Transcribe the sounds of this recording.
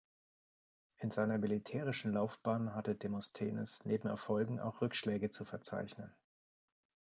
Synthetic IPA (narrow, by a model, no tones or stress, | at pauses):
ʔɪnzaɪnɐmilitʰɛːʁ̞ɪʃn̩laʊfb̥aːnɦatədemɔstʰḛːnɪ̰snʔeːbm̩ɛ̰ɐfɔlɡŋ̩a̰ʊxʁ̥ʏkʃlɛːɡət͡sufɛɐt͡sa̰ɪçnən